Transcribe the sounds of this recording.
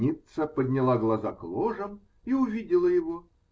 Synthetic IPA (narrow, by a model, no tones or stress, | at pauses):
it̪səpəd̪ʲnʲɪlˠaɡlˠɐzaklˠoʐəm | iʊvʲidʲɪlˠəjɪvo